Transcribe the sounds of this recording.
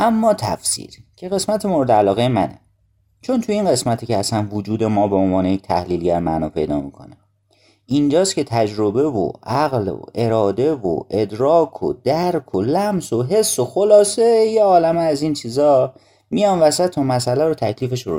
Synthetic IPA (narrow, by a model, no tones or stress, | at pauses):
ʔæmːɒːt̪ʰæ̰fsḭːɾcʰe̞ɣe̞smæt̪ʰemoɾed̪eælɒːɣejemænḛ | t͡ʃʰo̞nt̪ʰuinɢe̞smæt̪ʰicʰeæsænvod͡ʒuːd̪e̞mɒːbeonvɒːnejec̚t̪ʰæhliːlɟæɾmæ̰nɒːpʰe̞̰jd̪ɒ̰ːmḭkʰo̞̰ne | ind͡ʒɒːscʰe̞t̪ʰæd͡ʒɾobe̞vo̰ʔæɣlo̰e̞ɾɒːd̪e̞vo̰ʔe̞d̪ɾɒːkʰo̰d̪̥æɾkʰolæmsoɦe̞sːoxolɒːsejeɒːlæmeːzint͡ʃʰiːzɒː | mijɒːnvæsæt̪ʰomæsælæɾot̪ʰæcʰliːfe̞ʃoɾṵ